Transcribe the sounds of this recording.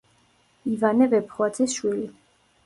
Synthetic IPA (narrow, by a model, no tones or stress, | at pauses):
ivanɛvɛpʰχwat̪ʰisʃwili